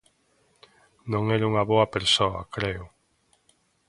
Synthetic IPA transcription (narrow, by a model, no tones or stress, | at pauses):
nõŋɛɾuŋɐβoɐpeɾsoɐkɾeʊ